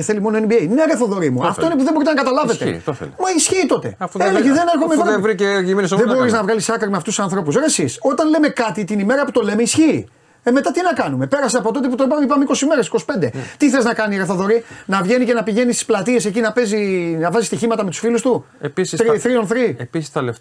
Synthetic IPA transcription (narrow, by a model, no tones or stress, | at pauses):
eθe̞limo̞noenbiejineɐɾeθoðo̞ɾimuɐft̪o̞inepuðeboit̪enɐkɐt̪ɐlɐve̞t̪ḛoθlmɐisçiːt̪o̞t̪e̞̰ɐfuðeleçeðeneɾxomeevɾieimnsðebo̞ɾiznɐvɣɐlisɐkɾimeɐft̪ussɐnθɾo̞pusesiso̞t̪ɐnle̞me̞kɐt̪it̪inime̞ɾɐput̪o̞le̞meisçiː | eme̞t̪ɐt̪inɐkɐnume̞pe̞ɾɐseɐpo̞t̪o̞t̪eput̪opɐmipɐmeiko̞sime̞ɾe̞si̥kosi̥pe̞nd̪e̞t̪iθeiznɐkɐniɾeθoðo̞ɾinɐvʝe̞nicenɐpiʝe̞nist̪i̥splɐt̪ie̞se̞cinɐpe̞zinɐvɐzist̪içimɐt̪ɐmet̪u̥sfilust̪uepisiθɾionθɾiepisi̥st̪ɐlef